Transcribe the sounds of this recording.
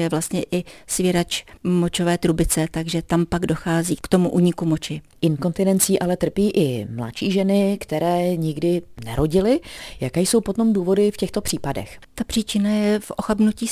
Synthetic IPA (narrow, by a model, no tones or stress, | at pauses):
jɛvlast̪ɲɛʔɪsvjɛɾat͡ʃmo̞t͡ʃo̞vɛːt̪ɾubɪt͡sɛt̪aɡʒɛt̪ampaɡdo̞xaːziːkt̪o̞muʔuːɲɪkumo̞t͡ʃɪ | ʔɪnko̞nt̪ɪnɛnt͡siːʔalɛt̪r̩piːʔɪmla̰tʃiːʒɛnɪkt̪ɛɾɛːɲɪɡdɪnɛ̰ɾʔo̞ɟɪlɪjakɛːjso̞wpot̪o̞mduːvo̞dɪfcɛxt̪o̞pr̝̥iːpadɛ̰xt̪apr̥iːt͡ʃɪnajɛfʔoxabnuciː